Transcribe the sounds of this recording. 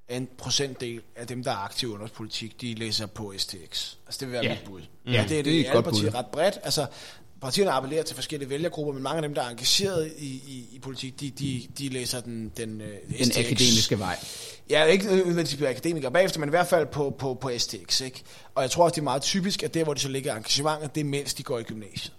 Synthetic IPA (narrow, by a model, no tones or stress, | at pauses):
æe̝npʰʁo̝sen̰d̥ːe̝̰ːlæd̥emd̥ɑ̈æɐɑ̈ɡ̥t͡sʰiʊɔ̽nʁɐspʰo̝lit͡sʰiɡ̥d̥ilḛːsɐpʰɒ̽esdʰeeɡ̥sælsə̥d̥eʋe̝ʋæːɐmid̥b̥uðˠ | æd̥e̝æɐd̥eæpɑt͡sʰḭʁɑ̈d̥̚b̥ʁɛd̥ælsɐ | pʰɑ̈t͡sʰḭːɐnəɑ̈pʰele̝ːɐt͡sʰe̝lfɒ̽sɡ̥el̰iəʋeljɐɡ̥ʁub̥ɐmenmɑ̈ŋəæd̥emd̥ɑ̈æɐɑ̈ŋɡ̥æɕe̝̰ːɐð̞̩ˠiiːpʰo̝lit͡sʰiɡ̥̚d̥i̥d̥id̥ilḛːsɐd̥end̥enene̥e̝̰ːmisɡ̥əʋɑ̈ɪ̰ | jæe̝ɡ̥əʋensd̥ib̥iɐækʰæd̥e̝ːmiɡ̥ɐb̥ɛ̰ːefd̥ɐmeniʋæɐ̰d̥fæl̰pʰɒ̽pʰɒ̽pʰɒ̽esd̥ʰe̝eɡ̥seɡ̥ | ʔɒ̽jɑ̈t͡sʰʁo̝ɐ̰ɒsd̥eɐmɑ̈ːð̩ˠt͡sʰyːb̥isɡ̥æd̥æɐʋɒdisɒ̽le̝ɡ̥ɐɑ̈ŋɡ̥æɕəmɑ̈ŋ̰ð̩ˠd̥e̝men̰sd̥iɡ̥ɒ̰ːiɡ̥ymnɛ̰ːɕə